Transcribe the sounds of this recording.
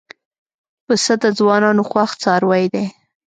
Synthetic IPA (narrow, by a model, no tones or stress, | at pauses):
pəsəd̪əd͡zwɑnɑnoxwaxt͡sɑɾwajd̪e